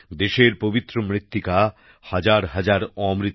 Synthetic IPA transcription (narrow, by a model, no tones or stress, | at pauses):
d̪eʃeɾpobit̪ːɾomɾit̪ːika | had͡ʑaɾɦad͡ʑaɾɔmɾit̪